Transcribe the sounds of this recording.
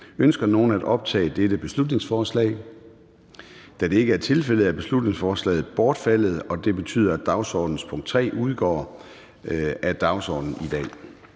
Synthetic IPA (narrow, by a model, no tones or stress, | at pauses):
ønsɡ̥ɐno̝ːn̩æɾ̥ɒ̽b̥̚t͡sʰɛ̰ːd̥eɾ̥əb̥e̝slud̥ne̝ŋsfɒːslɛ̰ɪ | d̥æd̥e̝e̝ɡəæɐt͡sʰe̝lfel̰ð̩ˠæb̥e̝slud̥ne̝ŋsfɒːslɛ̰ɪð̩ˠb̥ɒːd̥fæl̰ð̞̩ˠɒ̽d̥e̝b̥e̝t͡sʰy̰ːð̞̰ˠɐæ̥ɑ̈ʊsɒːd̥n̩spʰɔ̽ŋ̰̥t͡sʰʁɛ̰ːuð̞ˠɡ̥ɒ̰ː | æd̥ɑ̈ʊsɒ̰ːd̥n̩id̥ɛ̰ː